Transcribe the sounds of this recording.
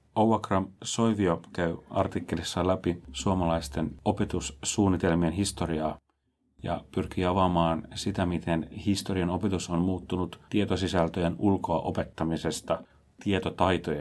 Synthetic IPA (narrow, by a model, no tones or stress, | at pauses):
owɑkrɑmso̞iʋiokæyɑ̰rt̪ikːe̞lisːɑlæpisuomɑlɑist̪e̞no̞pet̪usːuːnːit̪e̞lmienɦist̪o̞ɾiɑː | jɑ̰pyrk̟iːɑʋɑmɑːnsit̪æmit̪e̞nhist̪o̞riɑno̞pet̪uso̞nmuːt̪ːunut̪t̪iet̪osisælt̪øjenulko̞ɑʔo̞pe̞t̪ːɑmise̞st̪ɑ | t̪iet̪ot̪ɑjt̪ojɑ